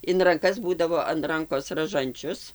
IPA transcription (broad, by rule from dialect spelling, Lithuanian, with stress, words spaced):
ɪn rɐŋˈkɐs ˈbuːdɐʋoː ɐn ˈrɐŋkoːs rɐˈʒɐnʲt͡ʃʲʊs